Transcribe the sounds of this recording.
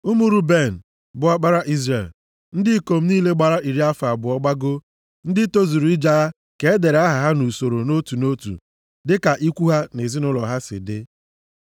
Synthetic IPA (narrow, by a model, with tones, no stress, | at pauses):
u˦mu˦ɾu˦be˦˨n̩˨ | bʊ˨a˦k͡pa˦ɾa˦ʔi˦zɾe˨l | n̩˦dɪ˦ko˨m̩˦niː˦le˦ɡ͡ba˨ɾa˦ʔi˨ɾi˦a˦fa˨bʊ˨ɔ˦ɡ͡ba˦ɡo˦ | n̩˦dɪ˦to˦zu˨ɾu˨˦i˦d͡ʒa˦a˦ | ke˨e˦de˨ɾa˦ɦa˨ɦa˦nu˨so˨ɾo˨no˦tu˨no˦tṵ˨ | dɪ˦ka˨ʔi˦kʷu˦ɦa˦ne˨zi˦nʊ˦lɔ˨ɦa˦sɪ̰˨dɪ˦